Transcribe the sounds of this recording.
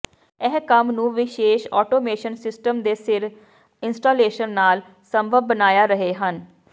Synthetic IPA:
ɛɦkəmnũːʋɪʃeːʃɔ̰ːʈoːmeːʃənsɪsʈəmd̪eːsɪɾ | ɪnsʈoːleːʃənːaːl | səmbʱəbːənaːjaːɾəɦeːɦən

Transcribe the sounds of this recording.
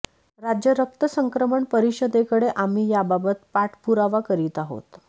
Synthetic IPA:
ɾad͡ʑjəɾək̚t̪əsəŋkɾəməɳpəɾiɕəd̪ekəɽeʔam̤iːjababət̪paʈʰpuɾaʋakəɾiːt̪aɦo̰t̪

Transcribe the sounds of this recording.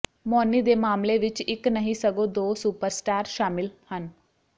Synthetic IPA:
mɔːniːd̪eːmaːmleːʋɪt͡ʃɪknəɦĩːsəɡõːd̪oːsuːpəɾsʈaːɾʃaːmɪlhən

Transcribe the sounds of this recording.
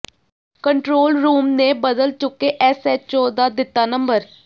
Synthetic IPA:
kəɳʈɾoːlɾuːmneːbəd̪əlt͡ʃʊkːeːʔɛsɛːt͡ʃoːd̪aːd̪ɪt̪ːaːnəmbəɾ

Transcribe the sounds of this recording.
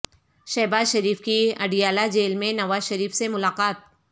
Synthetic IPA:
ʃɛːbaːzʃɐɾiːfkiɐ̰ɖijaːlad͡ʒeːlmẽnɐʋaːzʃɐɾiːfsemʊlaːqaːt̪̚

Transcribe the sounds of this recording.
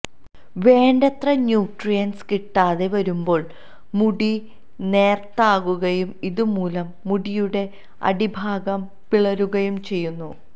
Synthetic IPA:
ʋe̞ːɳɖɐt̪rɐɲjuːʈrijɐnskiʈːaːðe̞ʋɐɾumbo̞ːɭ | muɽi | ne̞ːrt̪aːɣuɣɐjumiðumuːlɐmːuɽijuɽe̞ | ɐ̰ɽibʱaːɡɐm | piɭɐɾuɣɐjumt͡ɕe̞jːunːu

